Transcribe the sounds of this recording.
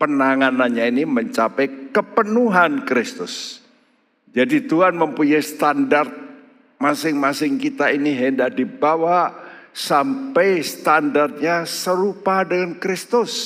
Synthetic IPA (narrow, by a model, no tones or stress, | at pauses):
pənaŋananɲainiməɲt͡ʃapɛkəpənuɦankɾɪst̪ʊs | d͡ʒadit̪uɦanməmpuɲajst̪andart̪̚ | masɪŋmasɪŋkit̪ainiɦəndaʔ̚dibawasampɛjst̪andart̪̚ɲasəɾupadəŋankɾɪst̪ʊs